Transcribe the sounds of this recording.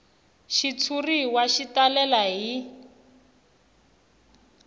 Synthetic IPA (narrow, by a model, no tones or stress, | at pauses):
ʃit͡sʰuriwaʃitalɛlaɦi